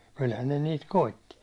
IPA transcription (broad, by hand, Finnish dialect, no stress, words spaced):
kylhæn ne niːt koitːi